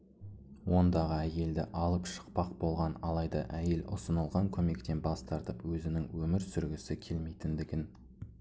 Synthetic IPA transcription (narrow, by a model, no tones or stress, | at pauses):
wo̞nd̪ɑʁəæje̞ld̪ɪ̰ʔɑlˠəpʃə̥q̚pɑq̚bo̞lˠʁɑnɑlˠɑjd̪ɑ̰ʔæje̞lʔʊ̰sənəlˠʁɑŋkʲʰɵme̞k̚t̪e̞nbɑst̪ɑɾt̪əpwɵzɪnɪŋwɵmɪɾsʏɾɡʲɪsɪkʲʰe̞lmejt̪ɪnd̪ɪɡʲɪn